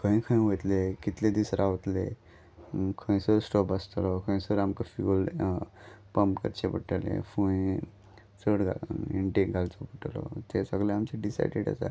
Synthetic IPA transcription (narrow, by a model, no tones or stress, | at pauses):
kʰə̃ĩkʰə̃ʋəjt̪lekit̪led̪isɾaʋt̪lḛ | kʰə̃j̃səɾsʈɔpast̪lɔkʰə̃j̃səɾamkaful | pəmpkə̰ɾt͡ɕepəʈəlḛ̃fũj | t͡səɽɡʱaḭɳʈeɡʱalt͡sɔpəʈlɔ̰t̪esəɡlẽamt͡ɕeɖisa̰jɖeɽa̰sa̰